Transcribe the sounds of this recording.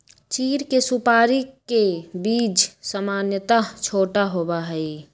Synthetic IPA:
t͡ʃiːɾkesupaːɾikːebid͡ʒsamaːnjət̪at͡ʃʰoːʈaɦobaɦəi

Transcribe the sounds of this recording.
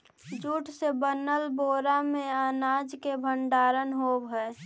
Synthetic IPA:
d͡ʒuːʈʰsebənəlboɾamẽaːnaːd͡ʒkebʱəɳɖaːɾənɦobɦɛː

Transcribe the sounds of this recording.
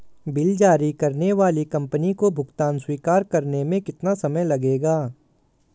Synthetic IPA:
bɪld͡ʒaːɾikɐɾneʋaːlikɐ̃mpənikobʱʊɡt̪aːnswiːkaːɾkɐɾnemẽkɪt̪nasɐməjlɐɡeːɡaː

